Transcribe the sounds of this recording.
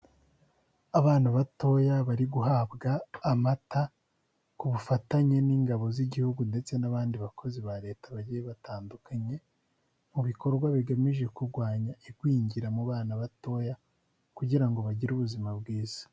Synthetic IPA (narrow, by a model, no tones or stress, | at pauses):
aβaːnaβato̞jaβaɾiɡuɦaːbɡaːmata | kuβufataɲe̞niːŋɡaβo̞ziɟihuɡunde̞t͡se̞naβaːndiβakʰo̞ziβaɾe̞ːtaβaɟijeβataːndukʰaɲe̞ | muβiko̞ɾɡwaβiɡamiʒe̞kuɾɡwaːɲaiɡwiːɲɟiɾamuβaːnaβato̞ja | kuɟiɾaŋɡo̞βaɟiɾuβuzimabɡiːz̥ḁ